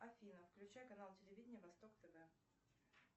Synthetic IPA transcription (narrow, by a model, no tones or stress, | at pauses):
ɐfʲinəfklʲʉt͡ɕæjəkɐnalˠtʲɪlʲɪvʲidʲnʲɪjəvɐst̪o̞kt̪ɐd̪a